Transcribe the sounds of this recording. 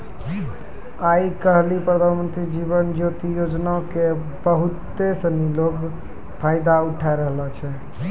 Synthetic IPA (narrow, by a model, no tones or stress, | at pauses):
aikəɦlipɾəd̪ʱanmənt̪ɾid͡ʒiβənd͡ʒot̪ijod͡ʒnaoke | bəɦut̪ːesəniloɡ | pʰaɪd̪auʈʰaeɾəɦlət͡ʃʰɛ